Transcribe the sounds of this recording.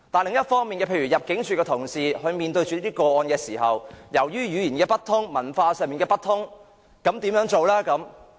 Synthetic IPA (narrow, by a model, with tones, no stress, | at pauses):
t̪aː˨˩lɪ˨ŋjɐ˥t̚fɔː˥ŋmi˨nkɛː˧pʰe˧jɥyː˨˩jɐ˨p̚kɪ˨˥ŋt͡ʃʰyː˨˩kɛː˧t̪ʰʊ˨˩ŋsiː˨hɵ˧ɥmiː˨nt̪ɵ˧ɥt͡ʃyː˨liː˥i˥kɔː˧ɔː˧nkɛː˧siː˨˩ɦɐ̰˨wjɐ˨˩wjyː˥jyː˨˧jiː˨˩nkɛː˧pɐ˥t̚t̪ʰʊ˥ŋmɐ˨˩nfaː˧sœː˨˧ŋmiː˨nkɛː˧pɐ˥t̚t̪ʰʊ˥ŋ | kɐ˨˥mt̪iː˨˥mjœː˨˧˥ŋt͡ʃo˨wlɛː˥kɐ˨˥m